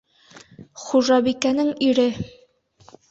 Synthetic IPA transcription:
χuʒɑbikænɘŋiɾɘ

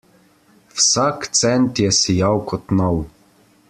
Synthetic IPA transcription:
wsakt̪sɛnt̪jɛsijawkɔt̪nɔw

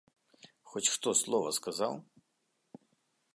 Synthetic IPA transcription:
xɔt͡ɕʲʂt̪ɔslˠɔvɐskazaw

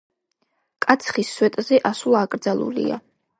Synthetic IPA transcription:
kʼat̪sʰχisːwɛt̪ʼzɛʔasulˠakʼɾd̪zalˠṵlḭa̰

